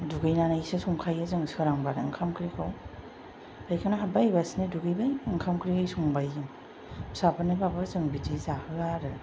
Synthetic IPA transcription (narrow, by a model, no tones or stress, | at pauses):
duɡɯjnanajsɯsɔŋkʰajɯzɯŋsɯɾaŋbaɾaŋkʰamkʰɾikʰaw | bajkʰanaɦabajbasniduɡɯjbajɯŋkʰamkɾikajsɔŋbajːɯŋ | sapanɯbapazɯŋbitizahɯaɾɯ